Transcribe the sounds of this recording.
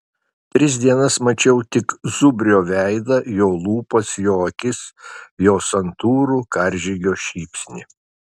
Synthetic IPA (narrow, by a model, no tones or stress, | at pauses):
t̪ʲɾʲɪsʲd̪ʲiɛnɐsmɐt͡ʃʲɛʊt̪ʲɪkzʊbʲɾʲoːʋʲæɪd̪ɐjoːlˠuːpɐsjoːɐkʲɪsjoːsɐnt̪uːɾukɐɾʲʒʲɪɡʲoːʃʲiːpʲsʲnʲɪ